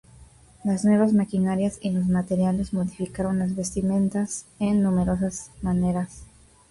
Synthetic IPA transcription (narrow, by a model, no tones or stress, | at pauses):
laznwe̞βazmakinaɾjasilozmat̪eɾjale̞zmo̞ðifikaɾo̞nlazβe̞st̪imẽ̞nt̪asennumeɾo̞s̬asmaneɾas